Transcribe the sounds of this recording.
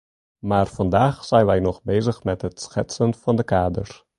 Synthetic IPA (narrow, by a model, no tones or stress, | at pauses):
maːrfɑndaːχsɛjnʋɛjnɔχbejzəχmɛtɦətsxɛtsənfɑndəkaːdə̰r